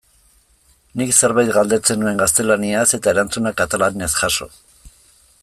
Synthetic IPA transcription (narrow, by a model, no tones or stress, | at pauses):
nikseɾβajt̪ɡald̪e̞t͡se̞nue̞ŋɡast̪e̞laniase̞t̪ae̞ɾant͡sunakat̪alaniasxaso̞̰